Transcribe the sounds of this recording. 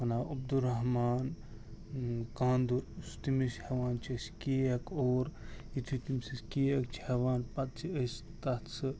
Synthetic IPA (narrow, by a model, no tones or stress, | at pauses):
ɐnaːɐb̚d̪uɾɐɦmaːn | kaːnd̪uɾsu̥t̪imishɐʋaːnt͡ʃʰiskiːɐkoːɾit̪ʰit̪imsiskiɐk̚t͡ʃʰiheʋaːnpɐt̪̚t͡ʃʰiəs | t̪ɐt̪sɨ